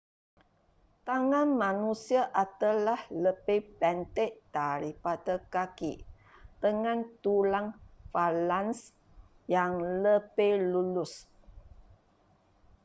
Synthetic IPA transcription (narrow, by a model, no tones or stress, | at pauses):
t̪aŋãnmanusiaʔat̪alahləbepɛnt̪eʔd̪̥aɾipadəkaki | t̪əŋãnt̪ulaŋfalans | jaŋləbelulʊs